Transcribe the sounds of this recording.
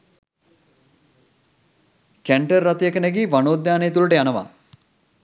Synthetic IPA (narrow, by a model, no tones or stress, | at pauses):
kæɳʈərːat̪ujekəneɡeːʋanoːd̪aːnejt̪uləʈəjanəʋa̰